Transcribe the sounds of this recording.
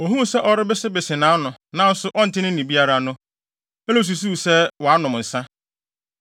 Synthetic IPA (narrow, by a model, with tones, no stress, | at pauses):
o˨ɦũ˦m˦sɛ˦ʔɔ˦ɾɪ˦bɪ˦sɪ˦bɪ˨sɪ˨nãː˨˦nʊ̃˨nã˨n̩˦sʊ˦ʔɔ˦n̩˨tʰɪ˦nɪ̃˦ĩ˨bi˦a˦ɾa˨nʊ̃˦ | ɛ˦lo˦˨s̬u˨s̬u˦˨sɛ˦wɔ˨a˦nʊ̃˨m˨n̩˨sã˦